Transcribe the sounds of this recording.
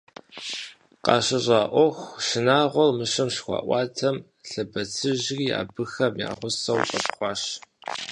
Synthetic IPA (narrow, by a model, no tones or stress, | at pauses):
qɑːɕɐɕʼaːʔʷɔxʷʃɪnaːʁʷɔlmɨʂɐmʂxʷɑ̰ːʔʷɑːtʰɐm | ɬɐbɐt͡sʰɨʒriːa̰ːbɨxɐmja̰ːʁʷʊsɐwqɐpχʷɑːɕ